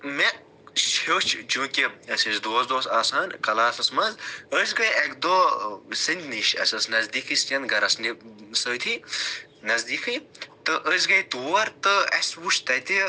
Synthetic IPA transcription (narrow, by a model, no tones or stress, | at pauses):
me | ʃot͡ʃʰt͡ʃũːkʲiɐsisd̪oːsd̪oːsaːsaːnkɐlaːsɐsmɐnzəs̬ʲɡɐjekd̪oːsɨnʲd̪ʲʰniʃɐ̰sɐsnɐzd̪iːkɨsɐnd̪ɡɐɾɐsnisəːt̪ʰiː | nɐzd̪iːkʰɨjt̪ɨʔəs̬ʲɡɐjt̪woːɾt̪ɨɐ̰sʲwuʃt̪ɐt̪i